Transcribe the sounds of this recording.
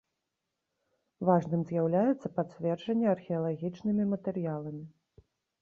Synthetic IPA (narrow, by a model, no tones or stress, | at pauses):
vaʐnɨmzʲjawlʲajɛt̪sːɐpat͡sʲvʲɛrʐɐnʲːɛɐrxʲɛɐlˠaɣʲit͡ʂnɨmʲimɐt̪ɛɾɨjalˠɐmʲi